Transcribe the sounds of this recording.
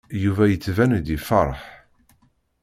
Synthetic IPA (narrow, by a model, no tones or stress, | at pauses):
juvæjət͡sːvænd̪ifɑɾˤħ